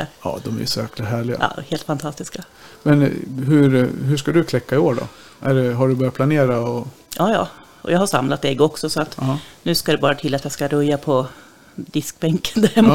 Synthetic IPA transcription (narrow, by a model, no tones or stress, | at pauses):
ɑ̰ːd̪ɔmæ̰jʉ̰sɔjæːklaɦæːɭɪɡa̰ʔːheːlt̪fant̪ʰast̪ɪska | mɛnɦɵɾɦɵʂkad̪ɵkʰlɛkːaɪoːɖɔ̰ | ʔæɖɛɦaɖɵbœɾjat̪pʰlaneːɾaɔ | jʔɑːjɑ̰ː | ʔɔ̰jɑːɡhaʂamlat̪ɛɡɔksɔsɔat̪nʉ̟ːskad̪ɛbɑːɾat̪ʰɪlːat̪jaskaɾɵjːapʰɔ | d̪ɪsk̚bɛŋkə̥nd̪æɾm